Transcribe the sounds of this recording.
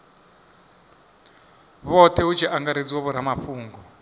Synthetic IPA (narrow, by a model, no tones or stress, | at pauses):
βɔt̪ʰɛut͡ʃʰiʔaŋɡaɾed͡ziwɔβɔɾamaɸuːŋɡɔ